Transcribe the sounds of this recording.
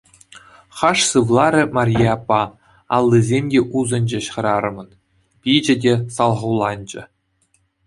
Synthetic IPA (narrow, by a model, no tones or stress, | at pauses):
χɑʂsɯʋlˠɑɾʲɘ̆mɑrʲjeɑpːɑ | ɑlˠːizʲemʲdʲeʔuzɤ̆nʲd͡ʑĕɕχɤ̆ɾɑɾɤ̆mɤ̆n | pʲid͡ʑɘ̆dʲesɑlˠʁɤ̆wlˠɑnʲd͡ʑɘ̆